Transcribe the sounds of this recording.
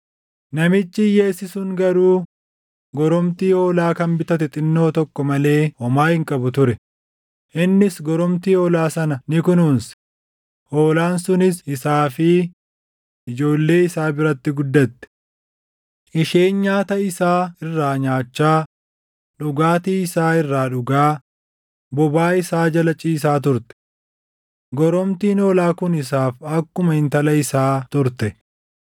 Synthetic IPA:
nɐmɪt͡ʃːɪje̞ːsɪsʊŋɡɐɾuː | ɡɔɾɔmt̪iːoːlaːkɐmbɪt̪ɐt̪ɪt̪ʼɪnːo̞ːt̪ɔkːɔmɐle̞ːhɔmaːhɪŋkʼɐbʊt̪ʊɾɛ | ʔɪnːɪsɡɔɾɔmt̪iːɔːlaːsɐnɐnɪkʊnuːns | ʔo̞ːlaːnsʊnɪsɪsaːfɪ | ɪd͡ʒo̞ːlːe̞ːɪsaːbɪɾɐt̪ːɪɡʊd̪ːɐt̪ːɛ̥ | ʔɪʃe̞ːnɲaːt̪ɐɪsaːɪrːaːɲaːt͡ʃːaː | ᶑʊɡaːt̪iɪsaːɪrːaːᶑʊɡaː | bɔbaːɪsaːd͡ʒɐlɐt͡ʃʼiːs̬aːt̪̬ʊɾt̪ɛ̥ | ɡɔɾɔmt̪iːnoːlaːkʊnɪs̬aːfɐkːʊmɐhɪnt̪ɐlɐɪsaːt̪ʊɾt̪ɛ

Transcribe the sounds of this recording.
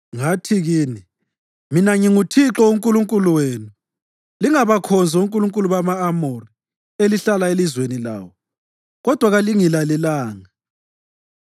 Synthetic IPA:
ŋatʰiɣiːni | minaŋiŋutʰiǁɔuŋkʼuluŋkʼuluweːnu | liŋaβakʰɔnd͡zʱɔuŋkʼuluŋkʼuluβamaːmori | eliɬalaelizwenila̰ːwɔ | ɣɔd̥ʱwaɣaliŋilalɛlaːŋa

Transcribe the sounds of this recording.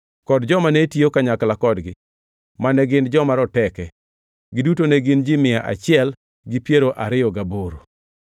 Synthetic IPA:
kɔdd͡ʒɔmanetiokaɲaklakɔdɡɪ | manɛɡɪnd͡ʒɔmaɾɔtɛkɛ | ɡɪdutoneɡɪnd͡ʒɪmɪjaʔa̰t͡ʃɪɛl | ɡɪpjeɾoʔaɾɪjɔɡaboɾo

